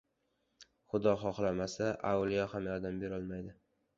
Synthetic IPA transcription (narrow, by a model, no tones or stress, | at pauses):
χʊd̪ɒχɒχlˠamasaʔawlˠijɒhamjɒɾd̪ambe̞ɾɒlˠmajd̪ɪ